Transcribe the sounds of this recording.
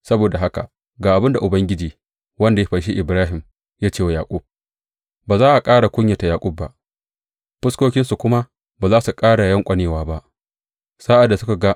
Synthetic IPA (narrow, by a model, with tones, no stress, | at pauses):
sɐ˦boː˨da˨ɦa˦ka̰˨ʔ | ɡaː˨ʔa˨bɪ˦nda˨ʔʊ˨bɐ˦ŋɡʲɪ˦d͡ʒiː˨ | wɐ˦nda˨ja˦ɸɐ˨ʃ̬i˦ʔɪ˨bɾaː˦ɦɪ˨m | jaː˦t͡ʃeː˦˨wa˨jaː˨kʷʼʊ˦b̚ | baː˨zaː˦ʔa˨kʼaː˦ɽa˨kʷʼʊ˦ɲja˨ta˨jaː˨kʷʼʊ˦bːa̰˦ʔ | ɸɪ˦skʷoː˦kʲɪ˦nsu˨kʷʊ˦ma˦ | baː˨zaː˦su˨kʼaː˦ɽa˨jɐ˦ŋkʷʼɐ˨neː˨waː˦ba˦ʔ | sa˦ʔa˨dːa˨sʊ˦ka˨ɡa˦